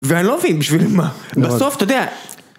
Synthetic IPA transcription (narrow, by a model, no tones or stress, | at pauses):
veanilomvinmbiʃvilmabaso̞ft̪ood̪ea